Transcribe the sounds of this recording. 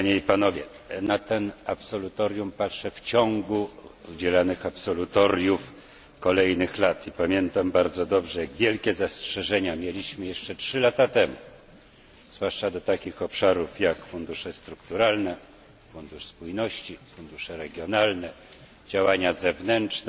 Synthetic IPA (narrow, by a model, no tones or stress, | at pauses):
ɲeipanɔvʲjɛ | nat̪ɛnapsɔlut̪ɔɾʲjumpatʂɛft͡ɕɔŋɡuud͡ʑɛlanɘxapsɔlut̪ɔɾʲjuf | kɔlɛjnɘxlat̪ipamʲjɛnt̪ambaɾd̪zɔd̪ɔbʐɛjaɡvʲjɛlkʲɛzastʂɛʐɛɲamʲjɛlʲiɕmɘjɛʂt͡ʂɛtʂɘlat̪at̪ɛmṵ | z̥vwaʂt͡ʂad̪ɔt̪akʲixɔpʂaɾufjakfund̪uʂɛst̪ɾukt̪uɾalnɛ | fund̪uʂspujnɔɕt͡ɕifund̪uʂɛɾɛɡʲjɔnalnɛ | d͡ʑawaɲazɛvnɛnt͡ʂn